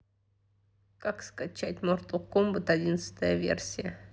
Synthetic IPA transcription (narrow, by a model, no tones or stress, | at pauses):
kakskat͡ɕatʲmort̪ʊkombʊt̪ɐdʲinət̪sə̥t̪əjəvʲḛrsʲɪjə